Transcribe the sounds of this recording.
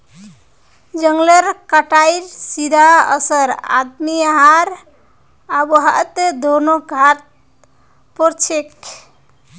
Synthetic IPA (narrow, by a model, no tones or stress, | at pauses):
d͡ʒəŋɡləɾkaʈajɾsid̪ʱaə̰səɾa̰d̪miaɦaɾ | abəɦat̪ed̪ʱonoɡʱat̪̚ | poɾt͡ʃʰek